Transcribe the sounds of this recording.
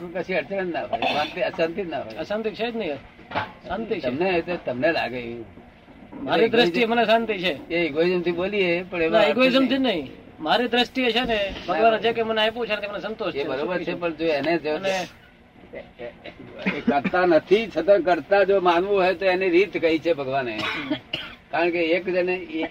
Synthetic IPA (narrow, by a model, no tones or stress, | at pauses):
kət͡ʃʰĩəɾt͡ʃənənnaɦo̰sãnt̪iəsãnt̪inaɦo̰əsãnt̪it͡ʃʰed͡ʒnəɦĩ | sãnt̪it͡ʃt̪əmnet̪ot̪əmnela̰ɡəju | maɾid̪ɾəsiemənesãnt̪it͡ʃʰeeɪɡoizəmt̪ʰiboliepəɳeʋnaeɡoizəmt̪ʰinəɦĩ | maɾid̪ɾəsʈiet͡ʃʰenebʱəɡʋanet͡ʃʰekeməneepũt͡ʃʰanət̪ʰimənesənt̪oʃʰebəɾobəɾʰepəɳd͡ʒoened͡ʒone | kəɾt̪anət̪ʰit͡ʃʰət̪ak̬əɾt̪ad͡ʒomanʋũɦoet̪oeniɾit̪kəɦit͡ʃʰebʱəɡʋane | kaɾəɳkeeknee